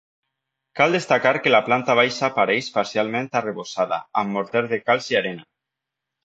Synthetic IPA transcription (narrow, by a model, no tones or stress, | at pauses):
kalˠd̪est̪akaɾkelaplant̪aβ̞ajʃapaɾɛjʃpaɾsialˠmẽnt̪areβosaða̰amːoɾt̪ɛɾðekalˠziaɾena